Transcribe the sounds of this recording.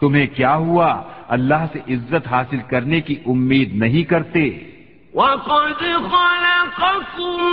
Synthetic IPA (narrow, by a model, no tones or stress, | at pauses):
t̪ʊmɦẽkjaːɦuaɐlːaːɦseʔɪzːət̪ɦaːsɪlkɐɾnekiʔʊmːiːd̪nɐɦĩkɐɾt̪eː | wakod̪ixɔːlekɐsum